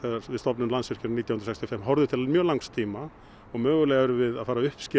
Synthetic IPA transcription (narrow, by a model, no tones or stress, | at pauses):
ɛavɪðst̪ɔpnʏmlansʏr̥cɪnɾniːt̪jahʏnɾsɛkst̪jɔfɛmːɦɔwɾðʏt̪ʰɪlmjœːlawŋst̪ʰiːma | ɔɣmœːɣʏlɛːɣaɛɾʏvɪðaðfaːɾaʏhpscɪ